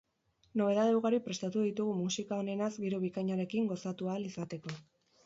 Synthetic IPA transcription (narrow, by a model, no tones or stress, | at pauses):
no̞βe̞ð̞aðe̞wɣaɾipɾe̞st̪at̪uðit̪uɣ̞umusikao̞ne̞nazɡiɾuβ̞ikajɲaɾe̞kiŋɡo̞sat̪ualisat̪e̞ko̞